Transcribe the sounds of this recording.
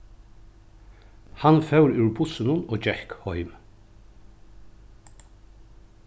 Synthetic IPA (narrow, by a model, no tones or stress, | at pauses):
hɑnfœwɾʉːɹbʊsənʊnoːd͡ʒɛhkhɔʏm